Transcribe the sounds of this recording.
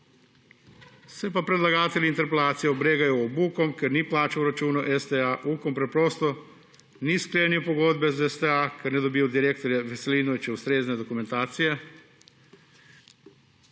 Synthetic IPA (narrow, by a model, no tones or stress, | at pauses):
sʋepapɾed̪lˠaɡaːt̪elʲint̪eɾpelaːt̪sijɛobɾeːɡajuobuːkomkeɾniplaːt͡ʃauɾat͡ʃuːnuʔest̪eaʔuːkompɾepɾoːst̪o | nisklʲeniupoɡod̪bɛzest̪eakeɾned̪obijud̪iɾek̚t̪oɾjeʋeseliːnoʋit͡ʃɛust̪ɾeːzned̪okument̪aːt̪sije